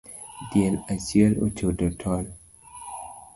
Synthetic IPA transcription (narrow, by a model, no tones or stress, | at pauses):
djɛlat͡ʃjɛlo̰t͡ʃodotʰɔl